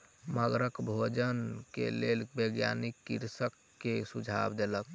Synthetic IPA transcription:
məɡɾəkbʱod͡ʒənkḛlelbəɡja̰nikːiɾsəkːesud͡ʒʱa̰bd̪elək

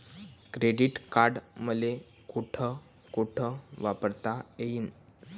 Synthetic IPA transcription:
kɾeɖiʈkaɾɖməle | kuʈʰə | kuʈʰəʋapəɾt̪aeiːn

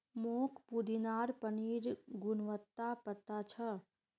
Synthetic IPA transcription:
mokʰpud̪inaːɾpəniːɾɡunʋət̪ːapət̪ːat͡ʃʰə

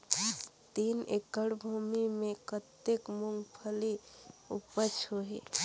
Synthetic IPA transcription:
t̪inekəɽbʱumimekət̪ekmuŋɡpʰəliupət͡ʃʰɦoɦi

